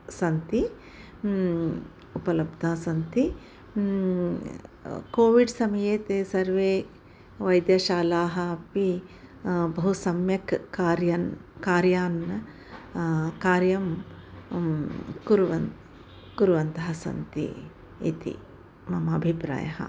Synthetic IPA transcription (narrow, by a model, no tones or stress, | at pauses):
sɐnt̪i | upɐlɐbd̪ʱaːsɐnt̪i | koːʋiɖsɐmɐjeːt̪eːsɐɾʋeː | ʋɐjd̪jɐʃaːlaːɦɐ̆ɐpi | bɐɦusɐmjɐkaːɾjɐnkaːɾjaːnɐ | kaːɾjɐm | kuɾʋɐn | kuɾʋɐnt̪ɐɦɐsɐ̰nt̪ḭː | t̪ḭ | mɐmɐːbʱipɾa̰ːjɐ̰ɦɐ̰